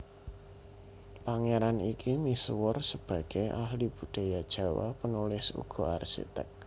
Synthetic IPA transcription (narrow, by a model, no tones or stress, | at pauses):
paŋeɾanikimiswʊrsəb̥ä̤ɡ̥eʔa̰hlib̥ṳd̪̥a̤jad̥ʒ̥a̤wa̰pənulɪsṵɡ̥ɔ̤arsḭt̪ə̰k̚